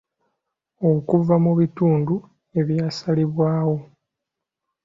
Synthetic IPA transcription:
okuvamuβituːndu | e̞βjaːsaliβwaːwo̞

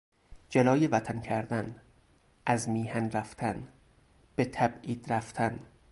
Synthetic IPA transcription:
d͡ʒelɒːjevæt̪ʰæncʰæɾd̪æn | ʔæzmiːhænræft̪ʰæn | b̥et̪ʰæbʔiːd̪̥ɾæft̪ʰæn

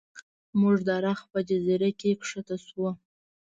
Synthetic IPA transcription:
muʐd̪ɑɾaxpəd͡ʒaziɾakekʂət̪aswo

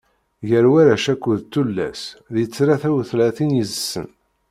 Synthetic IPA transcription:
ʝəɾwæɾæʃækʷːuðt̪ːulːæ̰sðjət͡sːɾaθæwθlæθinjəzəsːə̰n

